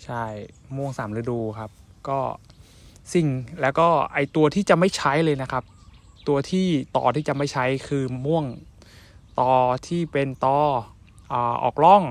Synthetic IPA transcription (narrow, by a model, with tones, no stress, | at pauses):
t͡ɕʰa˥˩j | mu˥˩əŋsaː˩˦mɾɯ˧˥duː˧kʰa˦˥p̚kɔː˥˩ | si˨˩ŋlɛː˦˥wkɔː˥˩ʔa˧jt̪u˧ɐt̪ʰiː˥˩t͡ɕa˨˩ma˥˩jt͡ɕʰa˦˥jlɤː˧jna˦˥kʰa˦˥p̚ | t̪u˧ɐt̪ʰiː˥˩t̪ɔ̰ː˧˩t̪ʰiː˥˩t͡ɕa˨˩ma˥˩jt͡ɕʰa˦˥jkʰɯː˧mu˥˩əŋ | t̪ɔː˧t̪ʰiː˥˩pe˧nt̪ɔː˧ | ʔaː˨˩ʔɔ̰ː˨˩k̚lɔ˥˩ŋ